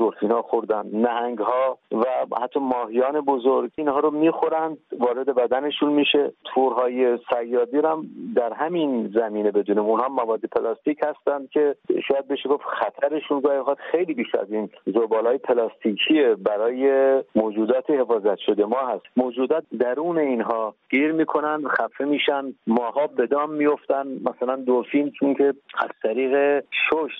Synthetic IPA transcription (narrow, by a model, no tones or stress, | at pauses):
zoɾfiːnhɒːxoɾd̪ænd̪næɦæŋɡhɒːvæhæt̪ʰːɒːmɒːɦijɒːne̞bozoɾɡiːnhɒːɾomiːxoɾænd̪vɒːɾed̪e̞bæd̪æne̞ʃunmiʃe̞t̪ʰuɾɦɒːjesæjːɒːd̪iːɾæmd̪æɾɦæminzæmiːne̞be̞d̪uːniːmunhɒːmævɒːd̪ːepʰelɑst̪iːcʰhæst̪ænd̪̥̚kʲʰe̞ʃɔːjæd̪̚be̞ʃeɡo̞fxæt̪ʰæɾe̞ʃunɡɒːhixɑd̪xejliːbiʃæ̰ziːnzobɒːlɒːjepʰelɒːst̪ʰiːkʰiebæɾɒːjemoːd͡ʒuːd̪ɒːt̪ʰehe̞fɒːzæt̪ʃo̞d̪e̞mɒːhæst̪moːd͡ʒuːd̪ɒːt̪̚d̪æɾuːne̞iːnɦɒːɡ̥iːɾmiːkʰo̞nænd̪xæfemiːʃænd̪mɒːɦɒːbe̞d̪ɒːmːijo̞ft̪ænmæsælænd̪ofilmt͡ʃʰoŋkʰe̞æ̰z̥t̪ʰæɾiːɣe̞ʃoʃt̪